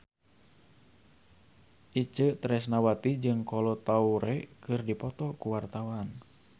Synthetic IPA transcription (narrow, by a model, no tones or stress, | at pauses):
ʔit͡ʃət̪ɾɛsnawat̪id͡ʒɨŋkɔlɔt̪auɾɛkɨrdipɔt̪ɔkuwart̪awan